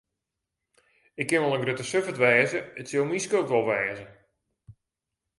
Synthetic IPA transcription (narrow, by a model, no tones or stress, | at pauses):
ɪkːɪnʋɔlˠəŋɡrøtəsøfətʋɛːzəətsolˠmiskoːtʋɔlˠʋɛːzə